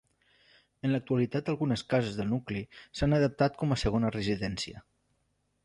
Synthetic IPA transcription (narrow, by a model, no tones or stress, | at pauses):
ənlək̚t̪uəlit̪at̪əlˠɣunəskazəzðəlˠnuklisanəðəp̚t̪at̪̚kɔməsəɣonərəziðɛnsiə̰